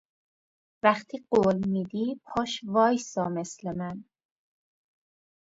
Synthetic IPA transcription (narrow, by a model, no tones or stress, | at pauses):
væxt̪ʰiːɢoːlmiːd̪iːpʰɒːʃvɒːjsɒːme̞slemæn